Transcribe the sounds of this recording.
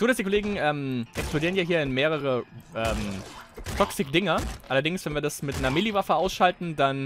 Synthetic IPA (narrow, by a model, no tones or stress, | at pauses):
d̥uːdasd̥ikʰoleːɡŋ̩ʔɛːmʔɛksplodiːʁnjaːɦiːɐɪnmeːʁəʁ̞əʔɛːmtʰɔksɪkd̥ɪŋɐʔalɐdɪŋsv̥ɛnviːɐdasmɪtnɐmɪlivafəaʊsʃaltn̩dan